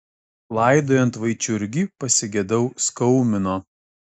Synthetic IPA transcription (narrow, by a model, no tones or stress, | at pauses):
lˠɐɪd̪oːjɛnt̪ʋɐɪt͡ʃʲʊɾʲɡʲiːpɐsʲɪɡʲɛd̪ɐʊskɔʊmʲɪnoː